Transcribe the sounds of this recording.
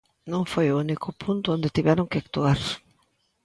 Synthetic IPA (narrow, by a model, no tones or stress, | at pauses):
nõŋfojʊunikʰʊpʰunt̪ʊõnd̪et̪iβɛɾoŋkɪakt̪uaɾ